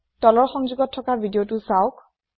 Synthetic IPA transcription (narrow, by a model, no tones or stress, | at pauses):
tɔlɔɹxɔŋzuɡɔtʰːɔkabʱidijotʊsaʊk̚